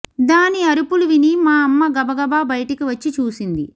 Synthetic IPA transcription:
d̪aːniɐɾupuluʋinimaːɐmːɐɡɐbɐɡɐbaːbɐjɐʈikiʋɐt͡ʃːit͡ʃuːsind̪i

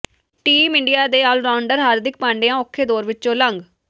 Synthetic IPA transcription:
ʈiːmɪɳɖijaːd̪eːaːlɾaːʊɳɖəɾɦaːɾd̪ɪk̚pãːɳɖeːãːʊkʰːeːd̪oːɾʋɪt͡ʃːt͡ʃõːləŋɡ

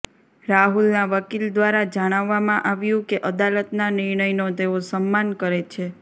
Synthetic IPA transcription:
ɾaɦulnaʋəkild̪ʋaɾad͡ʒaɽ̃aʋːamãʔaʋjũkeʔəd̪alət̪nanɪɾɳəjnot̪eosəmːankəɾet͡ʃʰe

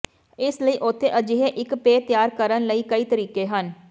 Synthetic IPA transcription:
ɪsləiːʔʊt̪ʰːeːʔəd͡ʒɪɦeʔɪkpeːt̪jaːɾkəɾənləiːkəiːt̪əɾiːkeːɦən

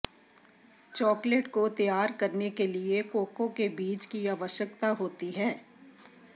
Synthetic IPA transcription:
t͡ʃɔːkleʈkot̪jaːɾkɐɾnekeliekoːkõkebiːt͡ʃkiaːʋəʃjəkt̪aɦoːt̪iɦɛː

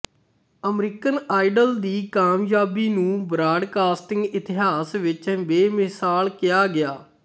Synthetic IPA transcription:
əmɾiːkənaːɪɖəld̪iːkaːmjaːbiːnũːbɾaːɖkaːsʈɪ̃ŋɡɪt̪ɪɦaːsʋɪt͡ʃʋeːmɪsaːlkɪjaːɡɪjaː

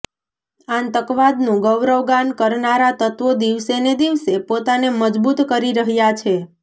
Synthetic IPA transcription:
ãnt̪əkʋad̪nũɡəʋɾəʋɡankəɾnaɾat̪ət̪ʋod̪iʋsened̪iʋsepot̪aneməd͡ʒbut̪kəɾiɾəɦjat͡ʃʰe

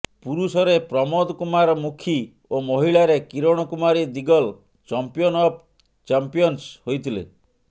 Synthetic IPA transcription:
puɾusɔɾepɾɔmɔd̪kumaɾɔmukʰi | omoɦiɭaɾekiɾɔɽ̃ɔkumaɾid̪iɡɔl | t͡ʃɔmpijɔnɔp̚ | t͡ʃampijɔnshojt̪ʰilḛ

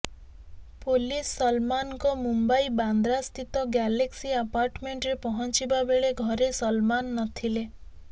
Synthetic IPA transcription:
polisːɔlmankɔmumbaiband̪ɾast̪ʰit̪ɔɡaleksiapaɾʈmeɳʈɾepɔɦɔnt͡ʃibabeɭeɡʱɔɾesɔlmanːɔt̪ʰile

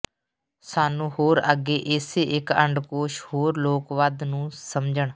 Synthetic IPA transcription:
saːnũːhoːɾəɡeːʔeːseːʔɪkəɳɖkoːʃhoːɾloːkʋaːd̪nũːsəmd͡ʒəɳ

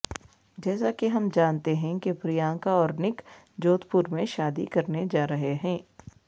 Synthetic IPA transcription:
d͡ʒɛːsakeɦɐmd͡ʒaːnt̪eɦɛ̃kepɾijãːŋkaɔːɾnɪk | d͡ʒoːt̪pʊɾmẽʃaːd̪ḭkɐɾned͡ʒaːɾɐɦeɦɛ̃ː

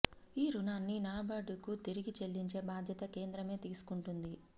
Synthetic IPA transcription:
iːɾunaːnːinaːbaːɖukut̪iɾiɡit͡ʃe̞lːiɲt͡ʃe̞ːbaːd̪ʱjɐt̪ɐke̞ːnd̪ɾɐme̞ːt̪iːsu̥kuɳʈund̪i

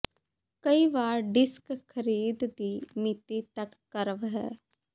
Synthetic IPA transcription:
kəiʋaːɾɖɪskkʰəɾiːd̪d̪iːmɪt̪it̪ɐkːəɾəʋɦɛ̰ː

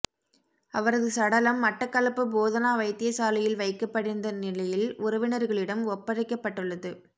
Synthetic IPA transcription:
ɐʋɐɾɐðɯsɐɽɐlɐmːɐʈːɐkːɐlɐpːɯboːðɐnaːʋɐɪt̪ːɪjɐsaːlɪjɪlʋɐɪkːɐpːɐɽɪnd̪ɐnɪlɐjɪlʔʊɾɐʋɪnɐɾɣɐɭɪɽɐmɔpːɐɾɪkːɐpːɐʈːɯɭːɐðɯ

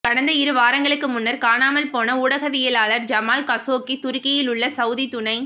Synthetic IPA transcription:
kɐɽɐnd̪ɐɪɾɯʋaːɾɐŋɡɐɭɯkːɯmʊnːɐɾkaːnaːmɐlpoːnɐuːɽɐɣɐʋɪjɐlaːlɐɾd͡ʒɐmaːlkɐsoːkːit̪ʊɾʊkːɐjɪlʊɭːɐsɐʊðit̪ʊnɐɪ

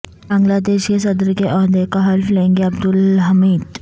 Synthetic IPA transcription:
baŋɡlad̪eɕjesəd̪ɾəkeʔɔɦd̪ekaɦalflẽŋɡeab̚d̪ulɦəmiːd̪

